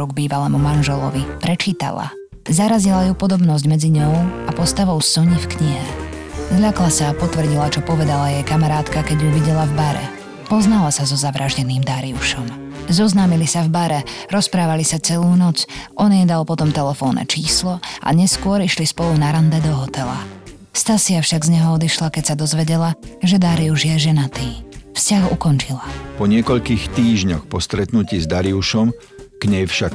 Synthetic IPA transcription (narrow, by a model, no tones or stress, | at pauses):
ɾuɡ̚biːʋalɛːmumanʒɛlɔ̰ʋipɾɛt͡ʃiːt̪a̰la̰ | zaɾazilajupɔd̪ɔbnɔzɟmɛd͡ziɲɔʊapɔst̪aʋɔʊsɔɲifkɲiɦɛzʎaklasaːpɔt̪ʋr̩ɟilat͡ʃɔpɔʋɛd̪alajɛjkamaɾaːt̪kakɛɟjuʋiɟɛlavbaɾɛ̰ | pɔznalasazɔzaʋɾʔaːʒɟɛniːmd̪aɾiuʃɔm | zɔznaːmilisavbaɾɛ | ɾɔspɾaːʋalisat͡sɛluːnɔt͡sʔɔɲɛd̪alpɔt̪ɔmt̪ɛlɛfɔːnɛ̰t͡ʃiːslɔʔa̰ɲɛskʊɔɾiʃlispɔlunaɾand̪ɛd̪ɔɦɔt̪ɛla̰ | fst̪asɪafʃaɡzɲɛɦɔɔd̪iʃlakɛcsad̪ɔzʋɛɟɛlaʒɛd̪aɾiuʒjɛʒɛnat̪iːfscaɣukɔnt͡ʃilapɔɲɪɛkɔʎkiːxt̪iːʒɲɔxpɔst̪ɾɛt̪nuciːzd̪aɾiuʃɔm | ɡ̥ɲɛjfʃak̚